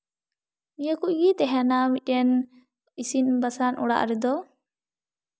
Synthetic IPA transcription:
mijakuʔ̚ɡit̪ɛɦɛnamit̪̚ˀɛn | isinbasanʔuɽa̰ʔɾɛd̪ɔ

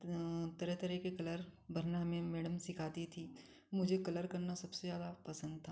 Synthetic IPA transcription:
t̪ɐɾɛt̪ɐɾɛkekɐləɾbʱɐɾnaɦɐmẽmɛːɽəmsɪkʰaːt̪it̪ʰi | mʊd͡ʒʱekɐləɾkɐɾnasɐbsezjaːd̪apɐsə̃nd̪̚t̪ʰaː

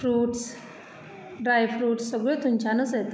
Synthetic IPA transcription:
fɾuːʈs | ɖɾajfɾuːʈsːəɡɭɔt̪umt͡ɕanəsat̪

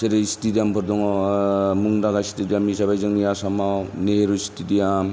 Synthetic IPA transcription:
seɾesitidijampʰɯɾdɔŋ | muŋdaɡasi̥tidijamisabajzɯŋijasamawneɾusi̥tidijam

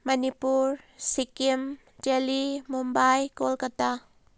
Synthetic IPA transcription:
mɐnipuɾsikim | d͡ʒelimumbajkolkata

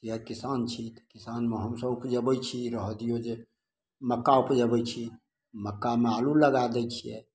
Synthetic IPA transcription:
t̪iəɾkisant͡ʃʰit̪ə̥kisanmeɦəmsəbupd͡ʒəbɛjt͡ʃʰiɾəɦd̪ijod͡ʒe | məkːaupd͡ʒəbɛt͡ʃʰi | məkːamealuləɡad̪ɛt͡ʃʰijɛ̰

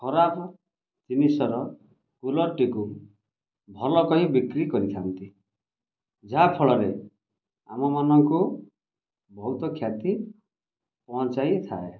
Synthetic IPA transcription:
kʰɔɾapɔ | d͡ʒinisɔɾɔ | kulɔɾʈiku | bʱɔlɔkɔɦĩbikɾikɔɾit̪ʰant̪i | d͡ʒapʰɔɭɔɾe | amɔmanɔŋku | bɔɦut̪ɔkʰjat̪i | pɔnt͡ʃajt̪ʰa̰e

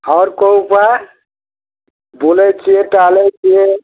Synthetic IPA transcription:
hɔɾkɔupa | bolɛt͡ʃʰieʈalɛt͡ʃʰie

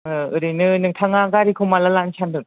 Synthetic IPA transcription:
ɯɯɾinɯnɯŋtʰaŋaɡaɾikʰomalalansʰandɯŋ

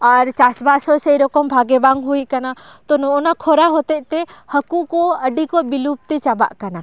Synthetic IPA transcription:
aɾt͡ʃasbasɔsɛjɾɔkɔmbʱaɡɛbaŋɡɦujkana | t̪ɔnɔɔnakʰɔɾaɦɔt̪ɛʔ̚t̪ɛhəkukɔəɖikɔbilup̚t̪ɛt͡ʃaba̰ʔkana

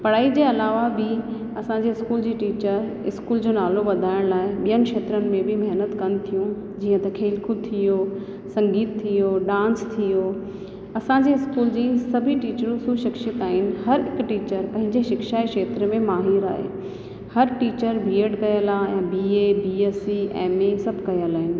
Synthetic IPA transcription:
pɐɽaːid͡ʑeːɐlaːʋabɪ | ɐsãɲd͡ʑeɪskuːld͡ʑiːʈiːt͡ɕəɾɪskuːld͡ʑoːnaːloʋɐd̪ʱaːɪɽ̃laːɪɓijənɪ̆kʃeːt̪ɾənɪ̆mẽbʱɪmɐɦnət̪kɐnɪ̆t̪ʰijũ | d͡ʑiːə̃t̪ɐkʰeːlkʰʊt̪ʰijo | sɐ̃ŋɡiːt̪t̪ʰːijoːɗãːnst̪ʰijoː | ɐsãɲd͡ʑeɪskuːld͡ʑiːsɐbʱiʈiːt͡ɕəɾũsuʃɪkʃɪt̪aːɦɪnɪ̆hɐɾɦɪkʈiːt͡ɕəɾpɐ̃ɦɪ̃ɲd͡ʑeʃɪkʃaːekʃeːt̪ɾmẽmaːɦiːɾa̰ːɦḛː | hɐɾʈiːt͡ɕəɾbʱiːeɖkɐjəlaːãbiːeːbiːeːsiɛ̰̃ːmesɐbʱkɐjəlaːɦɪnɪ̆

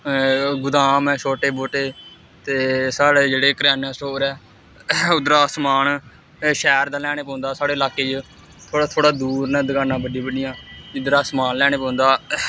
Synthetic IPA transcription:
ɡʊd̪aːmɛ̃ːʃʰoːʈeːboːʈeː | t̪eːsaːɽeːd͡ʒeːɽeːkəɾaːnãːsoːɾɛː | ʊd̪ɾaːsmaːn | ʃɛːɾd̪aːlɛːɽ̃eːpɔ̃ːnd̪aːsaːɽeːlaːkeːd͡ʒ | t̪ʰoːɽaːt̪ʰoːɽaːd̪uːɾnɛ̃ːd̪əkãːnãːbəɖibəɖɪjãːɪd̪ɾaːsmaːnlɛːñeːpãːnd̪aː

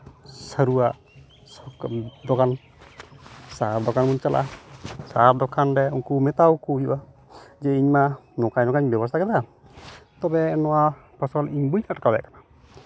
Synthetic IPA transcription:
səɾuaʔ | sd̪ɔkan | saɾd̪ɔkanmunt͡ʃalʔa̰saɾ̚d̪ɔkʰanɾɛuŋkumɛt̪awkujuʔa | d͡ʒɛiɲmanɔkaɲnɔkaɲbjɛbɔs̬t̪ʰakɛd̪a | t̪ɔbɛnɔwapʰɔsɔliɲbuɲaʈakabja̰kana

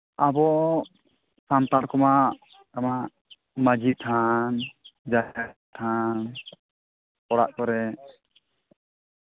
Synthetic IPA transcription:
abɔ | samt̪aɾkɔma | kamaʔ | mad͡ʒit̪ʰand͡ʒaat̪ʰan | kɔɽa̰ʔkɔɾɛ

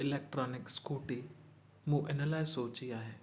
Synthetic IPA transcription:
ɪleːk̚ʈɾaːnɪkskuːʈi | mũːʔɪnəlaːesoːt͡ɕiaːɦeː

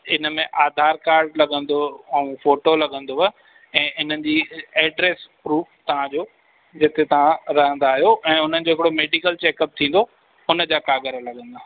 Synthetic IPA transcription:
ɪnə̆mẽʔaːd̪ʱaːɾkaːɾɖlɐɠə̃nd̪oɐũfoːʈolɐɠə̃nd̪oɦə | ɛ̃ːɪn̤ənɪ̆d͡ʑiːeːɖɾeːspɾuːft̪ɐʋ̤ãd͡ʑoː | d͡ʑet̪et̪ɐʋ̤ãɾɐɦə̃nd̪aːɦijoʔɛ̃ːʊn̤ənɪ̆d͡ʑoːɦɪkɪɽomeːɖikəlt͡ɕeːkəp̚t̪ʰĩːn̆d̪o | ʊnə̆d͡ʑaːkaːɡəɾəlɐɠə̃nd̪aː

